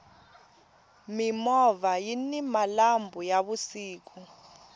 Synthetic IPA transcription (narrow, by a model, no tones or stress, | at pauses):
mimɔvajinimalambʱujaɓusiːk̬u